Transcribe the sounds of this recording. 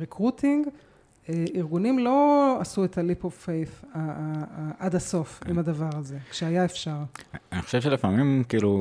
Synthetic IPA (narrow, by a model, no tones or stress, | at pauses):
ʁekʁutʰiŋɡ | eiʁɡunimlo̞asuet̪alipofejfa | ʔad̪aso̞fimad̪avaʁaze̞kʃeajaefʃaʁaniχoʃevʃelifamimkiːlu